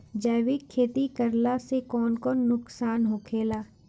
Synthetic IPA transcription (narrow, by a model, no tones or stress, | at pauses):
d͡ʒəːʋikʰːeːt̪ikəɾlasekɔːnkɔːnːʊksaːnɦokʰeːlaː